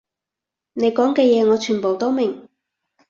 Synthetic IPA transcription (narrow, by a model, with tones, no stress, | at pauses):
ne˨˧jkɔː˨˥ŋkɛː˧jɛː˨˧ŋɔː˨˧t͡ʃʰyː˨˩npo˨˩wt̪o˥wmɪ˨˩ŋ